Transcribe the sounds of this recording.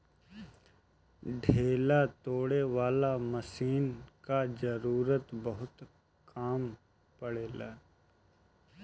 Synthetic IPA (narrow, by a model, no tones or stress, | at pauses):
ɖʱeːlat̪oːɽeʋaːlamɐsiːnkazɐɾuːɾət̪bəɦʊt̪ | kaːm | pɐɽeːlaː